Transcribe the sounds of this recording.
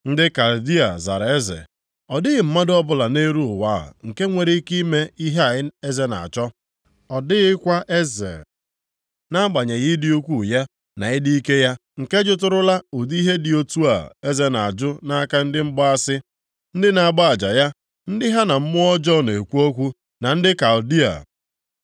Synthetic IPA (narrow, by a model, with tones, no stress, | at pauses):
n̩˦dɪ˦ka˨ldi˦a̰˨za̰˨ɾa˨e˦zḛ˨ | ɔ˨dɪ˦ɣɪ˨m̩˦ma˦dɔ˦bʊ˦la˨ne˦ɾu˦ʊ˨wa˦˨ŋ̩˨ke˦ŋʷe˨ɾi˦ki˦me˦i˦ɦe˦a˨ɪ˦e˦ze˦na̰˨a̰˨t͡ʃɔ˦ | ɔ˨dɪ˦ɣɪ˦kʷa˦ʔe˦zḛ˨ | na˦ɡ͡ba˨ɲe˨ɣɪ˦di˦u˦kʷu˦˨ja˦ | na̰˨ɪ˦di˦ke˦ja˦ŋ̩˨ke˦d͡ʒʊ˦t̬ʊ˦ɾʊ˦la˦u˨di˦ɦe˦dɪ˨o˦tu˦a̰˨e˦ze˦na˨a̰˨d͡ʒʊ˦na˦a˦ka˦n̩˦dɪ˦m̩˦ɡ͡ba˦a˦sɪ˦ | n̩˦dɪ˦na˨a˦˨ɡ͡ba˦a˨d͡ʒa˨ja˦ | n̩˦dɪ˦ɦa˦na˨m̩˦mʊ˦ɔ˦d͡ʒɔ˦˨ne˨kʷu˦o˦kʷu˦ | na˨n̩˦dɪ˦ka˨ʊ˨di˦a̰˨